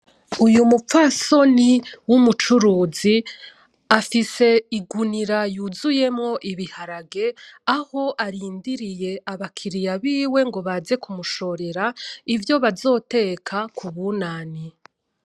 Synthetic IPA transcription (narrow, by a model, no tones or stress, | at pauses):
ujumufaso̞niwumut͡ʃuɾuːzi | afise̞iɡuniɾajuzuje̞mŋo̞ʔiβihaɾaɡe̞aho̞ʔaɾiːndiɾije̞aβakʰiɾijaβiːwe̞ŋɡo̞βaːze̞kʰumuʃo̞ɾe̞ɾaivjo̞βazo̞ːte̞kʰakʰuβunaːni